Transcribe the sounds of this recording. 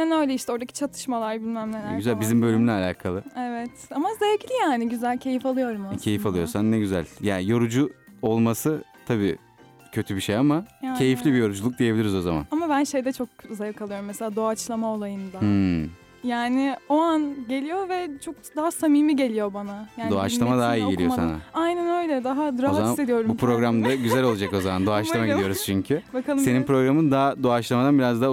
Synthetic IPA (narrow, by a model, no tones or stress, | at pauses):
ɛnø̞jlʲɛiʃt̪ɛo̞ɾd̪acʰi̥t͡ʃʰat̪ʰɯ̥ʃmalˠaɾbilʲmæmnʲelyzælʲbizimbø̞lʲymynʲɛalʲa̰ːkʰalˠɯevɛt̪amazejecʲilʲijaːnɪɟyzælʲcʰe̞jifalˠɯjo̞ɾumacʰe̞jifalˠɯjo̞ɾsanːɛɟyzæ̰lʲjaːnijo̞ɾud͡ʒuo̞lˠmasɯt̪ʰabiː | cʰø̞t̪ʰybiʃejamajacʰe̞jiflʲibijo̞ɾud͡ʒulˠuk̚d̪ijebilʲiɾizo̞zama̰namabænʃe̞jd̪ɛt͡ʃʰo̞k̚zajɯkʰalˠɯjo̞ɾumːɛse̞lʲaːd̪o̞at͡ʃlˠamao̞lˠajɯmd̪a | jaːnɪo̞anɟe̞lʲijo̞vɛt͡ʃʰo̞k̚d̪aɦasamiːmiɟe̞lʲijo̞banajaːd̪oat͡ʃlˠamad̪aɦaiejosa̰na̰ajnænø̞jlʲɛd̪aɦad̪ɯɾaoat̪ised̪ijo̞ɾbupɾo̞ɡɾamd̪aɟyzælʲo̞lˠad͡ʒako̞zamand̪oat͡ʃlˠamaɟid̪ijo̞ɾuz̥t͡ʃʰyɲcʰybakalˠse̞ninpɾo̞ɡɾamɯnd̪aɦd̪oat͡ʃlˠamad̪anbiɾazd̪a